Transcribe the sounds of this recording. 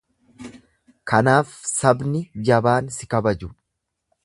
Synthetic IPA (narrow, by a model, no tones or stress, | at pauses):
kɐnaːfsɐbnɪd͡ʒɐbaːnsɪkɐbɐd͡ʒʊ